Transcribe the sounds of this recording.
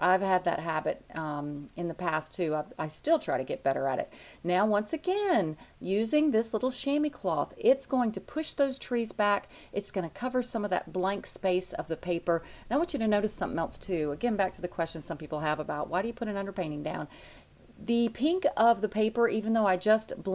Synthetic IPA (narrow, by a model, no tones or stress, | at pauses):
ʔaɪv̥ɨd̪̚ðɨ̰t̚ɦæbɨ̰ɾʌ̃mɨ̃nðɨpʰæstʰʉaɪvaɪstɪlˠtʰɹ̥aɪɾɨɡɛt̚b̥ɛɾə̰˞ɨ̰ɾɨ̰t̚naʊwʌ̃nsɨɡɛ̃njʉzɪ̃ŋðɪslɪɾl̩ˠʃẽɪ̃mikʰl̥ɔθɪtsɡ̥oʊɪ̃ŋtʰɨpʰʊʃðoʊz̥tʰɹ̥izbæk | ʔɨtsɡ̥ʌñɨkʰʌvə˞sʌ̃mʌvðɨ̰t̚b̥læ̃ŋkspeɪsʌ̰vðɨpʰeɪpə˞naɪwɑ̃nt͡ʃɨɾɨnoʊɾɨsʌ̃mθɪ̃ŋɛlˠstʰʉɡɛɪ̃nbæk̚tʰɨðɨkʰw̥ɛst͡ʃɨ̃nz̥sʌ̃mpipl̩ˠəvəbaʊʔ̚waɪɾɨjɨpʰʊɾɨ̃nʌ̃ndə˞pʰẽɪ̃ɾ̃ɪ̃ŋdã̰ʊ̃n | ðɨpʰɪ̃ŋkʌvðɨpʰeɪpə˞ʔivɨ̃n̩ðoʊaɪd͡ʒʌstb̥